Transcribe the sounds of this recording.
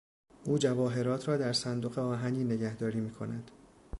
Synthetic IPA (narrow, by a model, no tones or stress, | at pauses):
ʔuːd͡ʒævɒːɦe̞ɾɒːt̪ʰɾɒːd̪æɾsænd̪oɣe̞ɒːɦæniːne̞ɟæhd̪ɒːɾiːmiːkʰo̞næd̪̥